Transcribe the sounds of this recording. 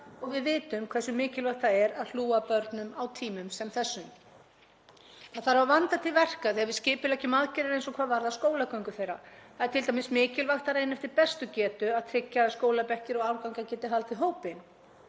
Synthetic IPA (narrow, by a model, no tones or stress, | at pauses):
ɔɣvɪðvɪːt̪ʏmkʰvɛsʏmɪːcɪlvaxt̪aɛɾaðl̥uːapœɾt̪nʏmawt̪ʰiːmʏmsɛmθɛsːʏm | θaðθaɾavavant̪at̪ʰɪlvɛr̥kaθiavɪðscɪːpʏlɛhcɪmaðcɛɾaɾejnsɔkʰv̥aːðvaɾðaskoːwlakœŋkʏθejɾa̰θaðɛɾ̥t̪ʰɪlt̪amɪsmɪːcɪlvaxt̪aɾejnɛft̪ɪɾpɛst̪ʏcɛːt̪ʏaðt̪ʰɾɪcːaskoːwlapɛhcɪɾɔɣawlkawŋkacɛːt̪ɪɦalt̪vɪɦoːwpɪn